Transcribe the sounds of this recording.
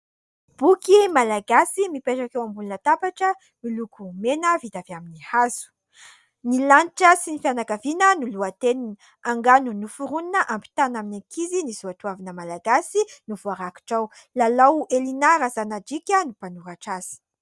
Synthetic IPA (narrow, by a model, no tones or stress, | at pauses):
b̥ukimalaɡasimipeʈ͡ʂakewambulunət̪apaʈ͡ʂə | milukumenəvid̪aviaminihazu̥ | nilanʈ͡ʂəsinifjanakavinənuluat̪enin | aŋɡanunufuɾuninəʔampi̥t̪anaminaŋkizinizuaʈ͡ʂuwavinəmalaɡasinuvuaɾaki̥ʈ͡ʂaw | lalawelinaɾazanad͡ʒikʲənupanuɾaʈ͡ʂaz̥i̥